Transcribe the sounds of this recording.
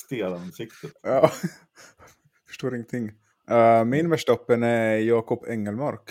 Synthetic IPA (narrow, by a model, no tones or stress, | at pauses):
st̪eːlansɪkt̪ət̪ɑː | fœ̥ʂʈoːɾɪŋːənt̪ʰɪŋː | mɪnmɛʂʈaɔpːənɛjɑːkɔpʰːɛŋːəlmaɾk